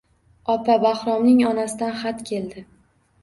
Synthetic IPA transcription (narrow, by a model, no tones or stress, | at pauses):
ɒpʰabaχɾɒmnɪŋɒnasɪd̪anχat̪kʲʰe̞ld̪ɪ